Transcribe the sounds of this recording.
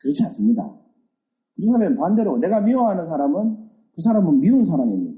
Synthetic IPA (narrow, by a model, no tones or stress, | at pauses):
kɯɾʌt͡ɕʰians͈ɯmɲida̰ | kɯɾetʰamenpande̞ɾone̞ɡamioɦanɯnsʰaɾamɯn | kɯs̬ʰaɾamɯnmiɯns̬ʰaɾaŋiɲi